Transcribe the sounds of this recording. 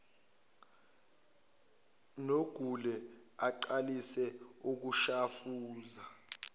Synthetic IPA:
noɡ̥ʱulɛaǃalisɛuk̬uʃafuːza

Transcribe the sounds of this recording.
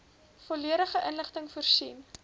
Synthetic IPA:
fɔliəɾəχəʔənləχtəŋfuərsin

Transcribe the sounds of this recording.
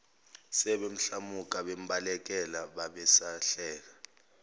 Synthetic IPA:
sɛɓem̩ɬamuk̬ʼaɓem̩ɓalɛk̬ɛlaɓaɓɛsaɬɛːla

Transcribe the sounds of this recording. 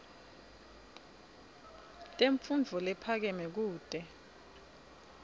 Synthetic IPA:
tʼeɱfund͡vʱɔlɛpʰak̬ɛmɛk̬uːd̥ʱʼɛ

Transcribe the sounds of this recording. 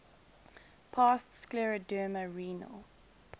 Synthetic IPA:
pʰɑstsklɛɹədɜːməɹiːnə̰lˠ

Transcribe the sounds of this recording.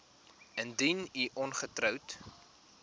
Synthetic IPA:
əndiniʔɔnχətrœwt

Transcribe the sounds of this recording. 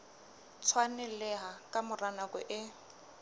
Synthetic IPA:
t͡sʰwanɪlɛɦakʼamʊranakʼɔʔɪ

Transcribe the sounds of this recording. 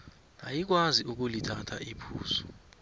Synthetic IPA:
najik̬waziuk̬ulitʰatʰaipʰuːzɔ̥

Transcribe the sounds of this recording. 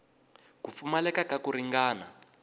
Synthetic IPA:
kufumalɛkakakuɾiŋɡaːna̰

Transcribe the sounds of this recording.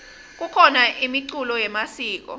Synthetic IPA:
k̬ukʰɔnaʔimiǀulɔjɛmasiːk̬ɔ̰

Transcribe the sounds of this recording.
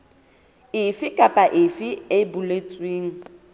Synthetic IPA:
ɪfɪkʼapʼaʔɪfɪebʊlet͡sʼweːŋ̩

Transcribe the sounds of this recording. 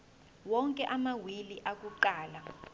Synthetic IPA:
wɔŋkʼɛʔamawiliʔak̬uǃaːla

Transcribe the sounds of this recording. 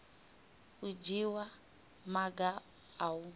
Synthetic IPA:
ud͡ʒiwa | maɡaː | wu

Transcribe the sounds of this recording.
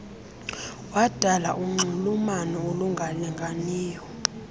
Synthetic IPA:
wad̥ʱalaʔuŋ͡ǀʱulumanɔoluŋɡʱaliŋɡʱaniːjɔ

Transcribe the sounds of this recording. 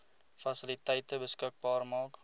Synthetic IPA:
fɐsɪlitɛjtəbəskək̚bɑːrmɑːk

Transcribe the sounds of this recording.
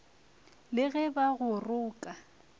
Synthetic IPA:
lɪɣɛbaɣʊrʊːkʼa

